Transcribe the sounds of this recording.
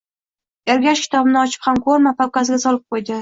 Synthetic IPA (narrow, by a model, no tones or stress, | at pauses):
jaɾɡʲaʃkʲɪ̥t̪ʰɒbɪnɪɒt͡ʃʰɪ̥phamkʰɵɾmapʰawkʲasɪɡʲasɒlˠɪp̚qʰojd̪ɪ